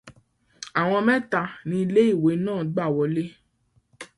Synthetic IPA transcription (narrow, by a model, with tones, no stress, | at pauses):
a˨w̃ɔ̃˧mɛ̃˦ta˧˨nĩ˧i˧le˦i˦˨we˨˦nãː˦˨ɡ͡ba˦˨wɔ˧˦le˦